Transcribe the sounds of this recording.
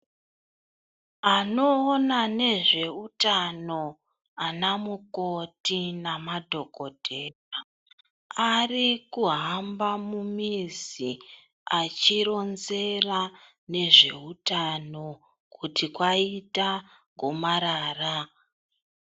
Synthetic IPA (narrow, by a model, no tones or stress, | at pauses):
ano̞ːnane̞ʐe̞utano̞ | anamuko̞tinamadʱo̞ɡʱo̞dʱe̞ːra | arikuɦambamumizi | at͡ʃiɾo̞nze̞ra | ne̞ʐe̞̰utano̞ | kutikwaita | ŋɡʱomaɾaːra